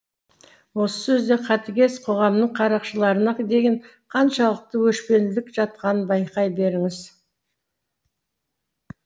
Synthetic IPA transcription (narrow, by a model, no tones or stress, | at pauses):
wo̞sə̥sɵzd̪e̞qʰɑt̪ɪɡʲe̞sqʰo̞ʁɑmnəɴqʰɑɾɑqʃəlˠɑɾənɑd̪e̞ɡʲeɴ | qʰɑnʃɑlˠəq̚t̪əwɵʃpe̞nd̪ɪlɪkʒ̥ɑt̪̚qɑnənbɑjqɑjbe̞ɾɪŋɪz